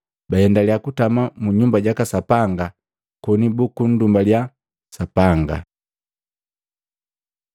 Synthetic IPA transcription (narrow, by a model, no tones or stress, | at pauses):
bajɛndaliakutamamuɲumbaɟakasapaŋɡa | kɔnibukun̩dumbalja | sapaŋɡa̰